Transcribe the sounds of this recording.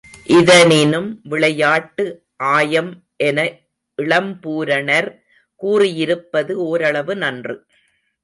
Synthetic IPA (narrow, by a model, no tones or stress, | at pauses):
ʔɪðɐnɪnɯmʋɪɭɐjaːʈːɯ | ʔaːjɐm | ʔɛnɐ | ɪɭɐmpuːɾɐɳɐɾ | kuːrɪjɪɾɯpːɐðɯoːɾɐɭɐʋɯnɐndrɯ